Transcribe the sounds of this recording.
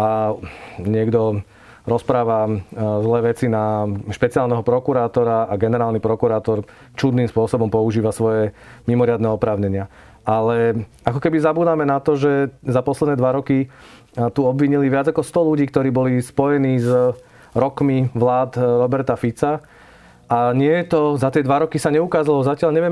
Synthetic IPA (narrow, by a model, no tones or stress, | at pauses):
ʔa | ɲɪɛɡd̪ɔ | ɾɔspɾaːʋazlɛːʋɛt͡sinaʃpɛt͡siaːlnɛɦɔpɾɔkuɾaːt̪ɔɾaaɡɛnɛɾaːlnipɾɔkuɾaːt̪ɔɾ | t͡ʃud̪niːmspʊɔsɔbɔmpɔuʒiːʋasʋɔjɛmimɔɾɪad̪nɛɔpɾaːʊɲɛɲɪa | ʔalɛ | akɔkɛbizabuːd̪amɛnat̪ɔʒɛzapɔslɛd̪nɛːd̪ʋaɾɔki | t̪uɔbʋiɲiliʋɪad͡zakɔst̪ɔluɟiːkt̪ɔɾiːbɔlispɔjɛniːz | ɾɔkmiʋlaːd̪ɾɔbɛɾt̪afit͡sa | ʔaɲɪɛt̪ɔzat̪ɪɛd̪ʋaɾɔkisaɲɛukaːzalɔzacɪaʎɲɛʋɪɛ